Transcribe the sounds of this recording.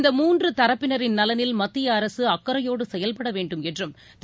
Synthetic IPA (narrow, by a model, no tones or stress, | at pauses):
nd̪ɐmuːndrɯt̪ɐɾɐpːɪnɐɾɪnnɐlɐnɪlmɐt̪ːɪjɐɐɾɐsɯɐkːɐɾɐjoːɽɯsɛjɐlpɐɽɐʋeːɳɖɯmɛtdrɯm | t̪